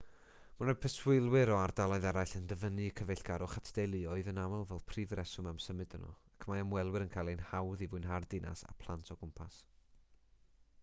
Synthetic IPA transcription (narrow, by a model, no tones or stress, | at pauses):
manəpʰəswɪlˠwɪɾɔardalˠɔɨðɛɾajɬəndəvənɨkʰəvɛɬɡ̥aɾʊχatʰd̥ejlˠɨɔɨðənawalˠvɛlˠpʰriːvrɛsʊmamsəmɨdənɔ̰akʰəmajamwɛlˠwɨɾənkʰalˠinhawðivʊɨnɦardɪnʔa̰sa̰pʰlˠantʰɔɡʊmpʰas